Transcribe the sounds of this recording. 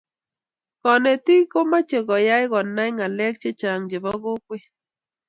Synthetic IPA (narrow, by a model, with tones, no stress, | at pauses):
kɔ˨nɛ˨ti˦ko˦ma˦t͡ʃe˨ɡɔ˨ja˦ɪ˦ɣɔ˨nːa˦ɪ˦ŋa˨lɛ˦k̚t͡ʃe˦t͡ʃa˨ŋd͡ʒe˨bɔ˦ɡo˦kwe˦